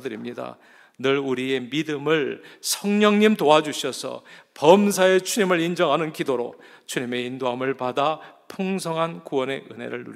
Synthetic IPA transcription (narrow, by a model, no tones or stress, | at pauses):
dɯɾimɲida̰ | nɯɾuɾiemidɯmɯɭsʰʌŋɲʌŋɲimtoad͡ʑuɕʰʌsʰʌ̰pʌmsʰae̞t͡ɕʰuɲimɯɾind͡ʑʌŋɦanɯnkidoɾo̰ | t͡ɕʰuɲime̞indoɦamɯɭpadapʰuŋsʰʌŋɦankuwʌne̞ɯne̞̰ɾɯɭːṵɾ